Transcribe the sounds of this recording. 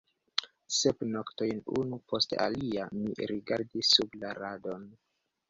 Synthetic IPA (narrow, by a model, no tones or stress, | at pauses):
sepnokto̞jnṵnupo̞stea̰liamiɾiɡaɾdisːublaɾado̞n